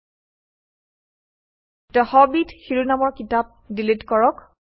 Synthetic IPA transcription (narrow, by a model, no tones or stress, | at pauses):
tɔhɔbidxiɹunamɔɹkitap̚dilitkɔɹɔk